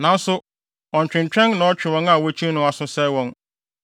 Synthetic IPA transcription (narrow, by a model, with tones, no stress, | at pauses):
nã˨˦n̩˦sʊ˦ | ɔ̃˨ɲ̩˨t͡ɕᶣɪ̃˨n˨t͡ɕᶣɛ̃˦nnã˨˦ɔ˦t͡ɕᶣɪ˨wɔ̃˦na˨wɔ˦t͡ɕʰĩ˦nʊ̃˨˦a˨sʊ̃˦sɛ˦wɔ̃˦n